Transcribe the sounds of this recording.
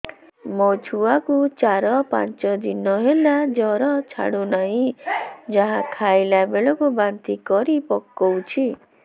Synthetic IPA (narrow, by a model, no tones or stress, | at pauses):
mot͡ʃʰuakut͡ʃaɾɔpa̰nt͡ʃɔd̪inɔɦelad͡ʒɔɾɔt͡ʃʰa̰ɽunaɦĩd͡ʒaɦakʰajlabeɭɔkubant̪ikɔɾipɔkːɔwt͡ʃʰi